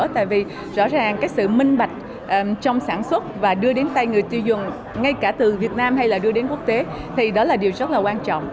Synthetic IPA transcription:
t̪a̰ː˧˨jvi˨˩ | zɔ̰˧˥zaː˨˩ŋkaː˦˥k̚sɨ̰˧˨mï˧ŋ̟ɓa˨˩jk̟̚ | ʔt͡ɕɔ˧wŋ͡msaː˧˩nswə˦˥t̚vaː˨˩ɗɨ˧əɗe˨˦nt̪a˧jŋɨ˨˩əjt̪i˧zɨ˨˩ŋ | ŋa˧jkaː˧˩t̪ɨ˨˩vi˨˩ət̚naː˧mɦa˧jlaː˨˩ɗɨ˧əɗe˨˦nku˦˥ək̚t̪e˨˦ | t̪ʰi˨˩ɗɔ˨˦laː˨˩ɗi˨˩əwzə˦˥t̚laː˨˩kwaː˧nt͡ɕɔ̰˧˨wŋ͡m

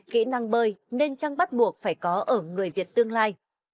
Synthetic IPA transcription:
kḭ˧˥na˧ŋɓəː˧jne˧nt͡ɕa˧ŋɓa˦˥t̚ɓu˨˩ək̚faː˧˩jkɔ˨˦ʔəː˧˩ŋɨ˨˩əjvi˨˩ət̚t̪ɨ˧əŋlaː˧j

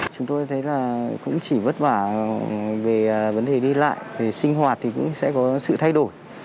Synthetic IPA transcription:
t͡ɕʊ˨˦ŋ͡mt̪o˧jt̪ʰə˨˦jlaː˨˩kʊ̰˧˥ŋ͡mt͡ɕi˧˩və˦˥t̚ɓaː˧˩ | ve˨˩və˨˦nɗe˨˩ɗi˧la̰ː˧˨jve˨˩sï˧ŋ̟ɦwaː˨˩t̚t̪ʰi˨˩kʊ̰˧˥ŋ͡msɛ̰˧˥kɔ˨˦sɨ̰˧˨t̪ʰa˧jɗo˧˩j

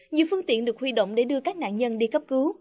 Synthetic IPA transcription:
ɲḭ˧˨fɨ˧əŋt̪ḭ˧˨ənɗɨ˨˩ək̚hwi˧˩ɗo̰˧˨wŋ͡mɗe˧˩ɗɨ˧əkaː˦˥k̚na̰ː˧˨nɲə˧nɗi˧kə˦˥p̚kɨ˨˦

